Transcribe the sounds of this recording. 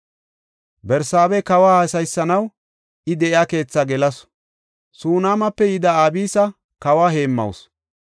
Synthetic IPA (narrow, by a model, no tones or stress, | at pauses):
bɛɾsaːbɛkɐwaːhɐsɐjsːɐnɐw | ʔɪd̪ɛʔɪaːke̞ːt͡sːaɡɛlɐs | suːnaːmɐpːɛjɪd̪ɐaːbiːsɐ | kɐwaːɦe̞ːmːɐ̰ws